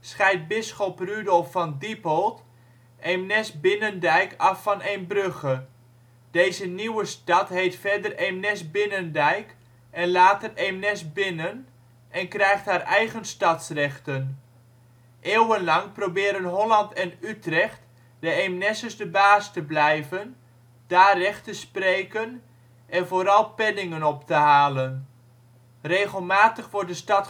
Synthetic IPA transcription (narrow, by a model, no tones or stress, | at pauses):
sχɛjt̚bɪsχɔprydɔlˠfɑndipɔlˠt | ʔemnɛsbɪnəndɛjkɑfɑnejnbrøχə | d̥ejzəniwəstɑtɦejtfɛrdəremnɛsbɪnəndɛjk | ɛnlaːtəremnɛsbɪnən | ɛnkrɛjχthaːrɛjχənstɑtsrɛχtən | ʔeːwənlɑŋprowbɪːɾənɦɔlɑntɛnytrɛχt | d̥əemnɛsəzdəbaːstəblɛjvən | d̥aːrɛχtəsprejkən | ʔɛnvoːɾɑlˠpɛnɪŋənɔptəɦaːlən | rejχəlˠmaːtəχʋɔɹdəstɑt